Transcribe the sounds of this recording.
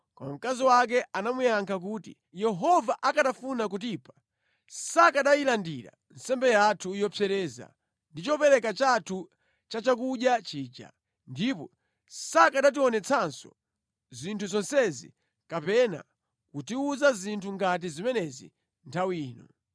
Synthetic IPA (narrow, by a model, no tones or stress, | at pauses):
kɔ̰mam̩kaziwak̬ɛanamujaŋkʰak̬uːtḭ | jɛɦɔvaʔakatafunakutipʰḁ | sakaɗajilandiɾa̰ | n̩sɛmbɛjatʰujɔpʰjɛɾɛːza̰ | ndit͡ʃɔpɛɾɛkat͡ʃatʰu | t͡ʃat͡ʃak̬uɗjat͡ʃiːt͡ʃa̰ | ndipɔ | sakaɗat̬iɔnɛt͡sʰansɔ̰ | zintʰuzɔnsɛzḭ | kapɛna̰ | kutiuzazintʰuŋɡat̬izimɛnɛzḭ | ntʰawiːnɔ̰